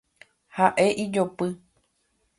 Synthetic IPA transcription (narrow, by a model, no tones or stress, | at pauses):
haʔe̞ʔid͡ʒopɨ